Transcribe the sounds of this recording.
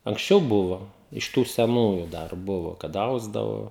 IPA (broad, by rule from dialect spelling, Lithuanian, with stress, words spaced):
ɐŋksʲˈt͡ʃʲɛʊ ˈbʊʋoː ɪʃ ˈtuː sʲɛˈnuːjʊ ˈdɐr ˈbʊʋoː kɐt ˈɐʊzdɐʋoː